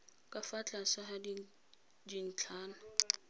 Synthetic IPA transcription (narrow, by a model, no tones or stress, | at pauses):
kʼafat͡ɬʼasahadi | din̩t͡ɬʰaːna